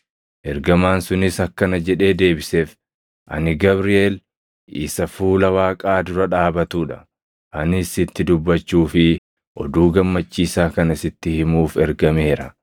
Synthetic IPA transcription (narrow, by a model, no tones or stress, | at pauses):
ʔɛɾɡɐmaːnsʊnɪsɐkːɐnɐd͡ʒɛᶑe̞ːd̪e̞ːbɪseːf | ʔɐ̰nɪɡɐbɾɪeːl | ɪsɐfuːlɐwaːkʼaːd̪ʊɾɐᶑaːbɐt̪uːᶑɐ̥ | ʔɐnɪsɪt̪ːɪd̪ʊbːɐt͡ʃːuːfɪ | ʔɔ̰d̪uːɡɐmːɐt͡ʃːiːsaːkɐnɐsɪt̪ːɪhɪmuːfɛɾɡɐmeːɾɐ